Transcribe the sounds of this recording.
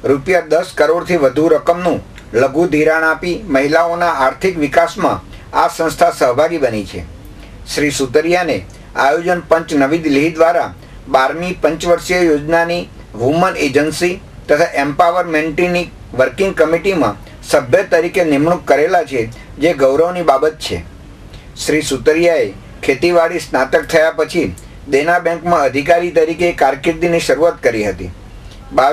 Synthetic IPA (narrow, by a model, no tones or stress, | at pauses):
ɾupjad̪əskəɾoɽt̪ʰiʋəd̪ʱuɾəkəmnũ | ləɡũd̪ʱiɾaɽ̃apiməɦilaonaaɾt̪ʰikʋɪkasmã̰ | a̰sə̃nst̪ʰasəɦbʱaɡibənit͡ʃʰḛ | ʃɾisut̪əɾijane | ajod͡ʒənpə̃ɲt͡ʃnəʋid̪liɦid̪ʋaɾa | baɾmipə̃ɲt͡ʃʋəɾʃjəjod͡ʒnani | ʋuməned͡ʒənsi | t̪ət̪ʰaʔempaʋəɾmẽɳʈini | ʋəɾkɪ̃ŋɡ̚kəmiʈimã̰ | səbʱjət̪əɾikenɪmɳukːəɾelat͡ʃʰe | d͡ʒeɡəʋɾəʋnibabət̪̚t͡ʃʰḛ | ʃɾisut̪əɾjae | kʰet̪iʋaɽisnat̪ək̚t̪ʰəjapət͡ʃʰi | d̪enabɛ̃ŋkmãəd̪ʱikaɾit̪əɾikekaɾkɪɾd̪iniʃəɾuat̪kəɾiɦət̪ḭ | ba